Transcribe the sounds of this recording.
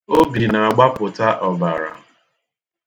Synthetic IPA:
o˦bi˨na˨a˨ɡ͡ba˦pʊ˨ta˦ʔɔ˨ba̰˨ɾa̰˨

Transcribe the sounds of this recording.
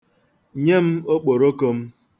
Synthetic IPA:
ɲe˦m̩˦o˦k͡po˨ɾo˦ko˦m̩˦

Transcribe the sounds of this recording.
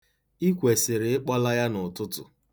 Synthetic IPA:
i˦kʷe˨sɪ˨ɾɪ˨ɪ˦k͡pɔ˦la˦ja˦nʊ˨tʊ˦tʊ̰˨

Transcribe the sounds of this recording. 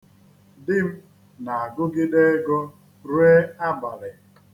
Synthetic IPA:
dɪ˦m̩˦ | na˨a˨ɡʊ˦ɡɪ˦de˦ɡɔ˦ | ɾwe˦a˦ba˨ɾɪ˨

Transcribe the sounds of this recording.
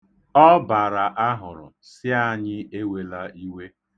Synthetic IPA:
ɔ˦ba˨ɾa˨ʔa˦ɦʊ˨ɾʊ̰˨sɪ˦a˦ɲɪ˦e˦we˨la˦i˦we˦

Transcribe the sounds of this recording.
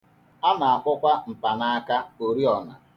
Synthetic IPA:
a˦na˨a˨kʷʊ˦kʷa˦m̩˨pa˨na˦a˦ka˦o˨ɾi˦ɔ˨na˨

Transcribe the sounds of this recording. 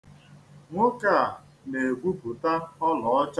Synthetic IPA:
ŋʷʊ˦ka˦a˨ | ne˨ɡʷu˦pu˨ta˦ɔ˦lɔ˨ɔ˦t͡ʃa˦

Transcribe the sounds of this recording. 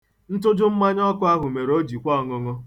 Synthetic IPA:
n̩˦tʊ˦d͡ʒʊ˦m̩˦ma˦ɲ˦ɔ˦kʊ˦a˦ɦʊ˨me˨ɾo˦d͡ʒi˨kʷɔ˦˨ŋʊ˨ŋʊ˦

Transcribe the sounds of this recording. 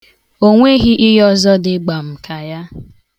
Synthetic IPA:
o˦ŋʷe˦ɣi˦ʔɪ˦ɦɔ˦zɔ˦dɪ˦ɡ͡ba˨m̩˨kʰa˨ja˦

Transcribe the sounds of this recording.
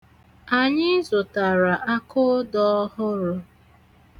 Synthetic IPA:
a˨ɲɪ˦zʊ˨ta˨ɾa˨ʔa˦kʊ˦dɔ˦ɔ˦hʊ˦ɾʊ˦

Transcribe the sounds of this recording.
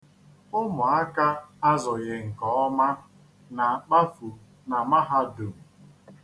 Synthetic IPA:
ʊ˦mʊ˨a˦ka˦a˦zɔ˨ɣɪ˨ŋ̩˨kɔ˨ɔ˦ma˦ | na˨k͡pa˦fu˨ | na˨ma˦ɦa˦du˨m̩˨

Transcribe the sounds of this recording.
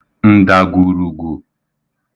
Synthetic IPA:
n̩˦da˨ɡu˨ɾu˨ɡu˨

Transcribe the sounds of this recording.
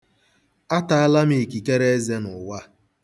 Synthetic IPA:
a˦ta˨a˦la˦mi˨i˨ki˨ke˦ɾe˦e˦ze˦nʊ˨wa˦

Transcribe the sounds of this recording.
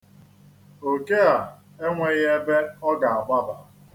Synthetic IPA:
o˨ke˦a˨ | e˦ŋʷe˨ɣe˦be˦ɔ˦ɡa˨a˨ba˦da˨

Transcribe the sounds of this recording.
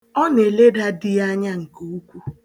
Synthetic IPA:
ɔ˦n˨e˨le˦da˦dɪ˦ja˦ɲa˦ŋ̩˨ko˨u˦kʷu˦

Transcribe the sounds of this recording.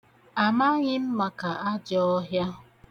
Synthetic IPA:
a˨ma˦ɣɪ˦m̩˦ma˨ka˨a˦d͡ʒɔ˦ɦja˦

